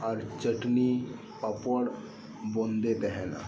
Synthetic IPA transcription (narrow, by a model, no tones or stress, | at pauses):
ɔɾt͡ʃəʈni | papəɽ | bõːnd̪et̪ɛɦɛna̰